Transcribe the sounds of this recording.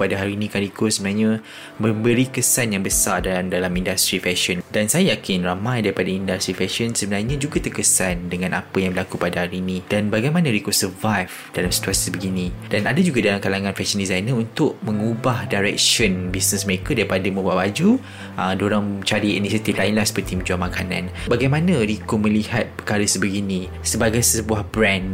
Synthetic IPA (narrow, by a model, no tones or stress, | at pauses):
padaɦaɾiːnĩkanɾikosəbənaɲə̃ | mə̃mbəɾikəsanjaŋbəsardadalamindast̪ɾifɛʃɔndansajajakɪnramãjdaɾipadaindast̪ɾifɛʃɔnsəbənaɲãd͡ʒuɡat̪ərkəsandəŋãnʔapəjaŋbəlakupadahaɾiːnĩdanbaɡajmãnə̃ɾikosəvajf | dalamsi̥t̪uasibəɡinĩd̥anadad͡ʒuɡadalamkalaŋãnfɛkʃəndizajnəunt̪ʊʔ̚mə̃ŋubahdajɾɛk̚ʃɔnbisnəsməɾekədaɾipadamə̃buaʔbad͡ʒu | ədoɾaŋt͡ʃaɾiinisiat̪iflaɪnlahsə̥pərt̪imə̃ɲd͡ʒuamakanãnbaɡajmãnãɾikomə̃lihat̪̚pəkaɾəsəbəɡinĩ | səbaɡajsəbuahbɾɛ̃n